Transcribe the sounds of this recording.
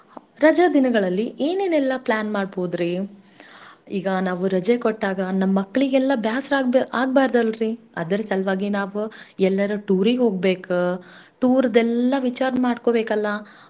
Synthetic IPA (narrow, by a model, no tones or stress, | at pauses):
ɾɐd͡ʒɐd̪inɐɡɐɭɐlːiʔeːneːnɛlːɐplaːnmaːɖboːd̪ɾi | iːɡɐnaːʋuɾɐd͡ʒekoʈːaːɡɐnɐmːɐkːɐɭiɡɛlːɐbjaːsɾaɡaːɡ̚baːɾd̪ɐlɾi | ɐ̰d̪ɐɾesɐlʋaːɡinaːʋuɛlːɐɾɐʈuːɾiɡɦo̞ːɡbe̞ːkuʈuːɾɐd̪ɛlːɐʋit͡ʃaːɾɐnmaːɖkobeːkɐlːɐ